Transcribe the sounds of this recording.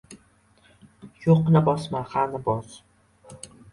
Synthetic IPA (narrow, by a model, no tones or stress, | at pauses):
joqnabɒsmahanɪbɒs